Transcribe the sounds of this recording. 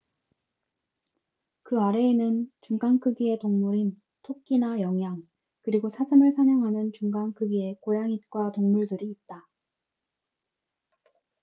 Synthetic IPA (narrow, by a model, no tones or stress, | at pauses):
kɯaɾe̞ːnɯnt͡ɕuŋɡaŋkʰɯɡie̞toŋmuɾin | tʰok̚k͈inajʌŋjaŋ | kɯɾiɡosʰasʰɯmɯɭsʰamjʌŋɦanɯnt͡ɕuŋɡaŋkʰɯɡie̞kojaŋit̚k͈watoŋmuɭdɯɾiːt̚t͈a